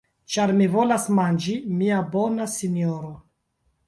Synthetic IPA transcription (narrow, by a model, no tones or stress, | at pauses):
t͡ʃaɾmivo̞lasmand͡ʒimiabo̞nasinjoɾo